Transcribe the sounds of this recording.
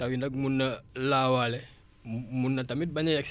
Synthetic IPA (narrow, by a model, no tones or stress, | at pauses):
tawindak̚munːəlawalɛ | munːatamit̚baɲajaks